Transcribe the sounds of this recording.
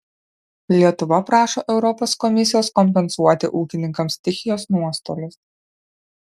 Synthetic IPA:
lʲiɛt̪ʊʋɐpɾɑːʃoːʔɛʊɾɔpɔːskɔmʲɪsʲɪjoːskɔmʲpʲɛnsuɔt̪ʲɪ̰ʔuːkʲɪnʲɪŋkɐmst̪ʲɪxʲɪjoːsnuɔst̪o̰ːlʲʊs

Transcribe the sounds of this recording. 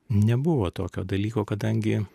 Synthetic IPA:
nʲɛbʊʋoːt̪oːkʲoːd̪ɐlʲiːkoːkɐd̪ɐŋʲɡʲɪ

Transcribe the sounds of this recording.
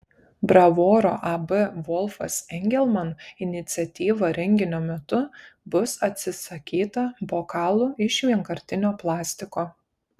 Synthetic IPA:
bɾɐʋoːɾo̰ːʔɐbɨʋɔlˠfɐ̰sɛŋʲɡʲɛlʲˠmɐnɪnʲɪt̪sʲɪɛt̪ʲiːʋɐɾʲɛŋʲɡʲɪnʲoːmʲɛt̪ʊbʊsɐt̪ʲsʲɪsɐkʲiːt̪ɐboːkɑːlˠʊːɪʃʋʲiɛŋkɐɾʲt̪ʲɪnʲoːplˠɑːsʲt̪ʲɪkoː

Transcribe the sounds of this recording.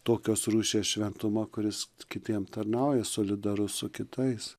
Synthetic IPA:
t̪oːkʲoːsruːʃʲeːsʃʲʋʲɛnt̪ʊmɐkʊɾʲɪskʲɪt̪ʲiɛmt̪ɐrnɐʊjɛsoːlʲɪd̪ɐɾʊssʊkʲɪt̪ɐɪs

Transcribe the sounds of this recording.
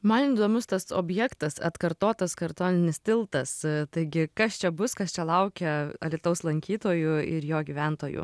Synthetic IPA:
mɐniːd̪oːmʲʊst̪ɐso̰ːbʲjɛkt̪ɐsɐ̰t̪kɐɾt̪oːt̪ɐskɐɾt̪oːnʲɪnʲɪst̪ʲɪlˠt̪ɐst̪ɐɪɡʲɪkɐst͡ʃʲɛbʊskɐst͡ʃʲɛlˠɐʊkʲɛɐlʲit̪ɐʊslˠɐŋʲkʲiːt̪oːjuɪɾjoːɡʲiːʋʲænt̪oːjṵː

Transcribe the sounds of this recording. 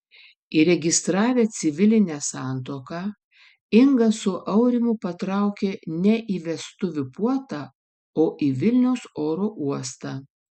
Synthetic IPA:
iɾʲɛɡʲɪst̪ɾɑːʋʲeːt̪sʲɪʋʲɪlʲɪnʲɛsɑːˑnt̪oːkɑː | ɪŋɡɐsʊʔɐʊɾʲɪmʊpɐt̪ɾɑˑʊkʲeːnʲɛʔiːʋʲɛst̪ʊʋʲʊpuɔt̪ɑː | oːʔiʋʲɪlʲnʲɛʊsoːɾoːʔuɔst̪ɑː

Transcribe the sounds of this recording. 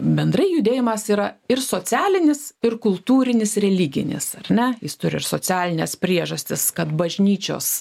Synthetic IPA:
bʲɛnd̪rɐɪjʊd̪ʲeːjɪmɐsiːɾɐɪrsoːt͡sʲæːlʲɪnʲɪsɪrkʊlˠt̪uːɾʲɪnʲɪsrʲɛlʲiɡʲɪ̰nʲɪ̰sɐrʲnʲɛjɪst̪ʊɾʲɪɪrsoːt͡s̪ʲæːlʲɪnʲɛspʲɾʲiɛʒɐsʲt̪ʲɪskɐt̪bɐʒʲnʲiːt͡ʃʲo̰ːs

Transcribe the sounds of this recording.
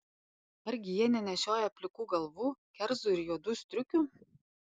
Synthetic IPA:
ɐɾʲɡʲɪjiɛnʲɛnʲɛʃʲoːjɛɐpʲlʲɪkuːɡɐlˠʋuːkʲɛɾzʊɪɾjoːd̪uːsʲt̪ʲɾʲʊkʲʊ

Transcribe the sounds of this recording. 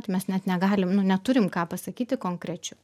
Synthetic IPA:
t̪ʲmʲɛsnʲɛt̪nʲɛɡɑːlʲɪmnʊnʲɛt̪ʊɾʲɪmkɑːpɐsɐkʲiːt̪ʲɪkoːŋkɾʲɛt͡ʃʲɛ

